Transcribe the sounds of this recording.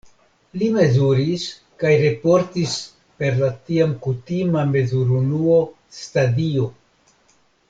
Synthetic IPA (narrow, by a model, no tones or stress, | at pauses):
lime̞zuɾis | kajɾe̞po̞ɾtis | pe̞ɾlatiamkutimame̞zuɾunuo | stadio̞